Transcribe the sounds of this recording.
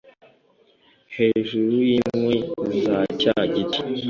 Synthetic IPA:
he̞ːʒuɾujimwezacaɟiti̥

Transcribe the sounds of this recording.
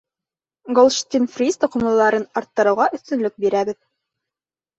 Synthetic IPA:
ɡolˠʃt̪ʲinfrʲist̪ŏqŏmlˠɤ̆lˠɑɾɤnɑɾt̪ːɤ̆ɾɤ̆wʁɑʔɵ̆θt̪ɵ̆nlɵk̚biɾæbɘð

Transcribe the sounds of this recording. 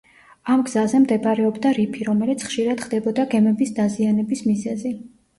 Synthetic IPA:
amɡz̥azɛmd̪ɛbaɾɛɔbd̪aɾipʰiɾɔmɛlit̪sʰχʃiɾad̪̥χd̪ɛbɔd̪aɡɛmɛbisd̪azianɛbismizɛzi

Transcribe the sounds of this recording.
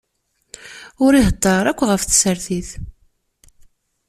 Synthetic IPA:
ʊɾiɦət̪ˤːɑɾˤækʷːʁəfθə̥səɾθiθ

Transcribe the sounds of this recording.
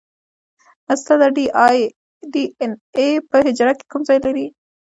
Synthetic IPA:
ast̪ad̪aɖij | ɖienepəhɪd͡ʒɾake̥kumzɑjlaɾi

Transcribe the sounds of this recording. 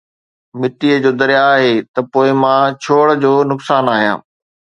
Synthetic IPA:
mɪt̪iəd͡ʑoːd̪ɐɾjaːɦeːt̪ɐpoːɪmãːt͡ɕʰoːɽ̆d͡ʑoːnʊksaːnaːɦijã̰ː

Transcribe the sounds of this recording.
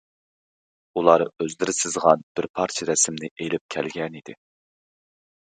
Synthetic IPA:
ulˠɑːɾøzlɪɾɪsɪzʁɑnb̥ɪɾpʰɑɾt͡ʃʰɪɾɛsɪmnɪʔejlɪp̚kʲʰɛ̰lɡʲɛnid̪ɪ̰

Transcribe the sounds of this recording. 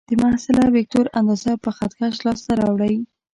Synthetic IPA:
d̪̥əmahsɪlawɪk̚toɾand̪ɑzapəxat̪ɡaʃlɑst̪aɾɑwɽəj

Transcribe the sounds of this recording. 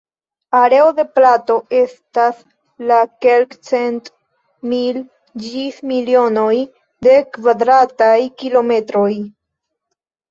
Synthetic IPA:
aɾe̞o̞de̞plato̞e̞stas | lake̞lkt͡se̞nt | mil | d͡ʒismilio̞no̞j | de̞kvad̪ɾatajkilo̞me̞tɾo̞j

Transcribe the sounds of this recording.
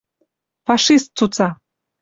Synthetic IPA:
fɑʃist̪̚t͡sut͡sɑ

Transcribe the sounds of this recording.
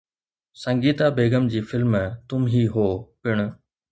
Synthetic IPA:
sə̃ŋɡiːt̪abeːɡəmd͡ʑiːfɪlmt̪ʊmɦiːɦoːpɪɽ̃ʊ̆

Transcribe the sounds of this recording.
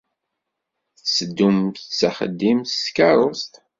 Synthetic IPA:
θsəd̪ːumt͡sːaχə̰d̪ːimθskɑɾˤost̪

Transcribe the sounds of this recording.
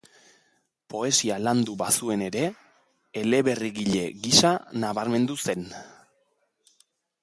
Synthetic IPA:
po̞e̞sialand̪uβasue̞ne̞ɾe̞ː | le̞βe̞riɣiʎe̞ɣisanaβaɾme̞nd̪use̞n

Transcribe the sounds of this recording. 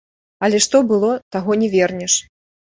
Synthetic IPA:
ɐlʲɛʂt̪ɔbɨlˠɔt̪aɣɔnʲɛvʲɛrnʲɛʂ

